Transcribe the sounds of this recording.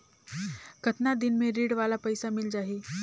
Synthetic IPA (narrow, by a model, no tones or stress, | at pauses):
kət̪nad̪inmẽɾiːɽʋalapəjsamɪld͡ʒaːɦi